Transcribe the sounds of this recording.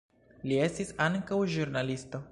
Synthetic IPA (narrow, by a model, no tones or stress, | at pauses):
lie̞stisaŋkawʒuɾnalisto̞